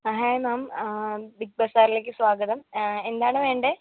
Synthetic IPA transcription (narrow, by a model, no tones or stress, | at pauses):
ɐɦajmaːm | bik̚bɐsaːɾileːk̬ʲːɨsʋaːɡɐðɐme̞nd̪aːɳɨʋe̞ːɳɖe